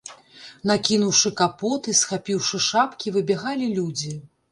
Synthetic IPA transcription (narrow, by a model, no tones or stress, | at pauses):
nakʲinuwʂɨkapɔt̪ɨsxapʲiwʂɨʂapkʲivɨbʲɛɣalʲilʲud͡zʲi